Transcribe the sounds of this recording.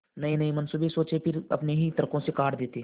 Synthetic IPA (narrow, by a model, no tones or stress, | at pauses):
nɐĩnɐĩmɐnsubesoːt͡ʃepʰɪɾɐ̰pneɦit̪ɐɾkõsekaːʈd̪eːt̪eː